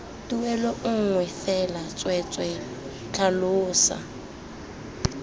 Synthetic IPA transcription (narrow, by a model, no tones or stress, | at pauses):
tuɛlɔʔʊŋ̩ŋwɛfɛlat͡sʼwɛt͡sʼwɛ | t͡ɬʰʼalʊːsa̰